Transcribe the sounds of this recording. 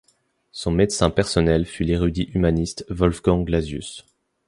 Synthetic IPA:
sɔ̃med̪sɛ̃pɛʁsɔnɛlfyleʁyd̪iʔymanist̪vɔlfɡɑ̃ɡlazjy̰s

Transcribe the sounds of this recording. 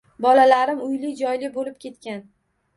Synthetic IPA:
bɒlalaɾɪmʊjlɪd͡ʒɒjlɪbolɪp̚kʲʰe̞t̪kʲan

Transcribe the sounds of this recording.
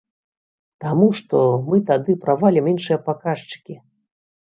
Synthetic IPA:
t̪amuʂt̪ɔmɨt̪ad̪ɨpɾavalʲiminʂɨjɐpakaʂt͡ʂɨ̥kʲi

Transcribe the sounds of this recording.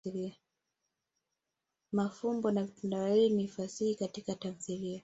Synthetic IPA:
lia | mafumbɔnavitandawahiːnifasihikatikatamθilia

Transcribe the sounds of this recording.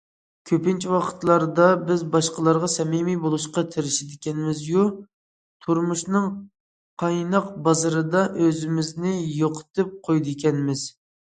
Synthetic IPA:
kʲʰøpɪnt͡ʃʰiwɑqʰə̥t̪lˠɑɾd̪ɑbɪzbɑʃqəlˠɑɾʁɑsɛmimibolˠuʃqɑt̪ʰɪɾɪʃid̪ɪkʲʰɛnɪmɪzju | t̪ʰuɾmuʃnɨŋ | qʰɑjnɑq̚bɑzɨɾɨd̪ɑʔøzɪmɪznɪjoqʰə̥t̪ʰɨp̚qʰojd̪ɨekʲɛnmɪz̥

